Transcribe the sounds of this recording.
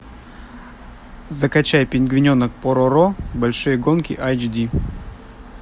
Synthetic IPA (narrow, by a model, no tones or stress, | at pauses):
zɐkɐt͡ɕajpʲɪnʲɡvʲɪnʲonək̚poɾoɾobɐlʲʂɨjəɡonkʲɪ̰ʔajd͡ʒdʲi